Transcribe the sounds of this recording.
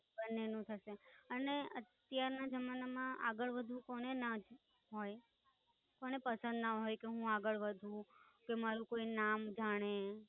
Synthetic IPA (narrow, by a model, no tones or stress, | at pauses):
bənːenũt̪ʰəʃeəneə̰t̪jaɾnad͡ʒəmanamãʔaɡəɭʋəd̪ʱũkoɽ̃enad͡ʒ | ɦoj | koñepəsə̃nd̪naɦojkeɦũaɡəɭʋəd̪ʱũkemaɾũkoinamd͡ʒaɽ̃e